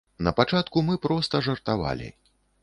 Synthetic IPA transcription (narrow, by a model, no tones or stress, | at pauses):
nɐpat͡ʂat̪kumɨpɾɔst̪ɐʐɐrt̪ava̰lʲḭ